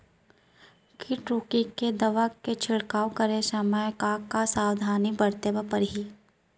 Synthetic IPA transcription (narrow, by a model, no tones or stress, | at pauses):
kiʈɾuːkiked̪ɐʋaket͡ʃʰɪɽkaːwkəɾesəməjkaːkːasaːwd̪ʱaːnibɐɽt̪ebapəɾɦiː